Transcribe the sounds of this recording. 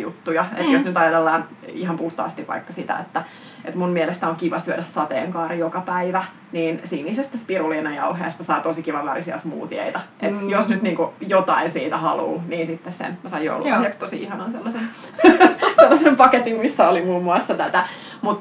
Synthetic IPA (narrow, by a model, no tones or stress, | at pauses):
jṵt̪ːujɑḛt̪josnyt̪ɑjɑt̪elːɑːnihɑmpuht̪ɑ̰ːst̪iʋʋɑ̰ikːɑsit̪æ̰ḛt̪ːæ | ʔet̪mummielest̪æoŋkiʋɑsyøɾæssɑt̪ḛːŋkɑːrijokɑpæiʋæ | niːnsiːniːsest̪æspiruliːnɑjɑuɦḛːst̪ɑsɑit̪osikiʋɑʋɑrisiɑ̰smṵːt̪iḛit̪ɑʔet̪josnyt̪niːŋkujot̪ɑinsiːt̪æhɑlṵːniːnsit̪ːessḛnmæsɑijjo̰uluɑiekst̪osḭihɑnɑnselːɑsen | selːɑsempɑket̪immisːæolimuːmːuɑsːɑt̪æt̪æ | mut̪